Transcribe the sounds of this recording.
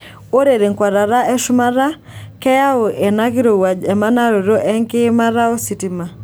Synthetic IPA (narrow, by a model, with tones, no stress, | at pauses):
o˦ɾe˨ɾe˨ŋkwa˨ɾa˨ɾa˦ɛ˦ʃʊ˦ma˦ɾa˦ | kɛ˦ja˦o˨ʔɛ˨na˦kɪ˦ɾo˨wa˨d͡ʒɛ˨ma˦na˦ɾo˨ɾo˦ʔɛ˦ŋkɪ˦ma˦ɾa˦o˦si˨tɪ˦ma˨